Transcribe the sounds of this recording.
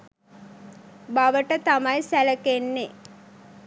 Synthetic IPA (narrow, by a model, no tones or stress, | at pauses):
baʋəʈət̪amajsæləkenːe